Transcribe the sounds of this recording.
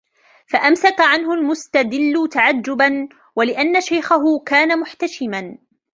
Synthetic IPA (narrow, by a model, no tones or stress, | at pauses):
faʔamsakaʕanhʊlmʊst̪ad̪ɪlːʊt̪aʕad͡ʒːʊban | walɪʔanːaʃajxaɦʊkaːnamʊħt̪aʃɪman